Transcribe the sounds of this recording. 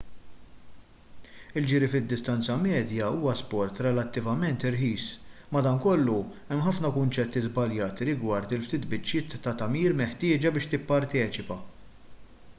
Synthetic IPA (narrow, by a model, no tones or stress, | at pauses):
ɪld͡ʒɪːɾifɪd̪ːɪst̪ɐnt͡sɐmɛːd̪jɐuːwɐspɔɾt̪ɾɛlɐt̪ːɪvɐmɛnt̪ɪɾħiːsmɐd̪ɐnkɔlːu | ɛmħɐfnɐkʊnt͡ʃɛt̪ːizbɐljɐːt̪iɾɪɡwɐɾt̪ɪlft̪iːt̪bɪt͡ʃːɪːt̪ːɐt̪ɐmiːɾmɛħt̪ɪːd͡ʒɐbɪːʃt̪ɪpːɐɾt̪ɛːt͡ʃɪpɐ